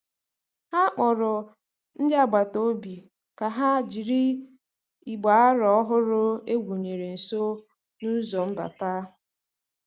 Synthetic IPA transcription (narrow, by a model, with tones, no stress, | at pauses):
ha˦k͡pɔ˨ɾʊ˨ | n̩˦dɪ˦a˦ɡ͡ba˨to˦bi˨ | ka˨ɦa˦d͡ʒi˨ɾi˦ | i˨ɡ͡ba˨a˦ɾɔ˨˦ɔ˦ɦʊ˦ɾʊ˦e˦ɡʷu˨ɲe˨ɾe˨n̩˨so˦ | nu˦zo˨m̩˦ba̰˨ta˦